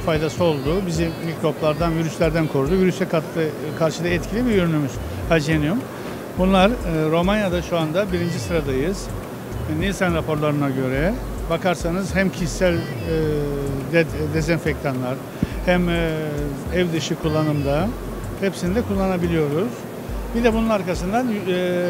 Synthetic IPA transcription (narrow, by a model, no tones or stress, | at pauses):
fajd̪asɯo̞lˠd̪ubizimicɾo̞plˠaɾd̪anviɾyslʲæɾd̪ænkʰoɾud̪uviɾysɛkʰat̪ʰlˠɯ | kʰaɾʃɯd̪aɛt̪cʰilʲibijøɾynymyz̥ | had͡ʒenjum | bunlˠaɾɯɾo̞manjad̪aʃuand̪abiɾind͡ʒisɯɾad̪ajɯz̥ | nilʲsanɾapʰo̞ɾlˠaɾɯnaɟø̞ɾɛ | bakʰaɾsanɯzɦæmcʰissælʲ | d̪d̪ezɛnfect̪ʰanlˠaɾ̥ | hæm | ɛvd̪ɯʃɯkʰulˠːanɯmd̪a | hepsinid̪ɛkʰulˠːanabilʲijo̞ɾuz̥ | bid̪ɛbununaɾkasɯnd̪an